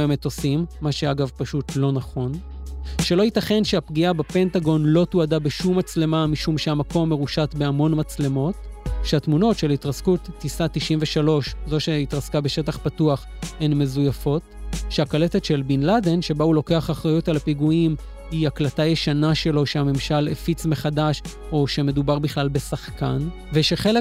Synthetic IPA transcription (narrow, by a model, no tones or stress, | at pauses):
emeto̞simːaʃeaɡavpaʃutlo̞naχo̞n | ʃe̞lo̞hitaχe̞nʃeapɡiabape̞ntaɡo̞nlo̞tuadabeʃumːat͡sle̞mamiʃumʃeamako̞mːe̞ʁuʃatbeamo̞nmat͡sle̞mo̞tʃeatmuno̞tʃelaitʁaskutːisatiʃimveʃalo̞ʃzo̞ʃeit̪ʁaskabe̞ʃe̞taχpatuaχ | enme̞zujafo̞tʃeakale̞te̞tʃe̞lbinlade̞nʃe̞baulo̞ke̞aχaχʁajutalapiɡuim | iaklatajeʃanaʃe̞lo̞ʃeame̞mʃalefit͡sme̞χadaʃ | o̞ʃe̞me̞dubaʁbiχlalbe̞saχkan | veʃe̞χele